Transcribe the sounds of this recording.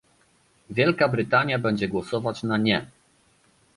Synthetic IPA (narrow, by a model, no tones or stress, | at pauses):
vʲjɛlkabɾɘt̪aɲjabɛɲd͡ʑɛɡwɔsɔvat͡ɕnaɲɛ